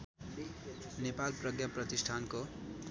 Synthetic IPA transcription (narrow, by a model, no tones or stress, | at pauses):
nepalprʌɡjaprʌt̪isʈʰanko